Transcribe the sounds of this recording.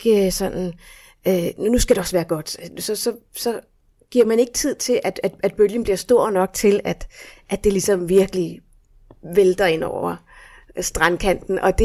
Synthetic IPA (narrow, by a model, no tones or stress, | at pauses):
ɡ̥sɒ̽n̰n̩ | ønnusɡ̥æd̥e̝ɒ̽sʋæːɐɡ̥ɒ̽d̥sɒ̽sɒ̽sɒ̽ | ɡ̥iɐmæne̝ɡ̥ət͡sʰið̰ˠt͡sʰe̝lʔæd̥æd̥æd̥b̥øljən̩b̥liɐ̰sd̥o̝ɐ̰nɒ̽ɡ̥̚t͡sʰe̝læd̥ʔæ̥e̝lisɒ̽mʋiɐɡ̥əli | ʋeld̥ɐe̝n̰ɒʊ̰ɐ | sd̥ʁɑnkʰæn̰d̥n̩ʔɒ̽d̥e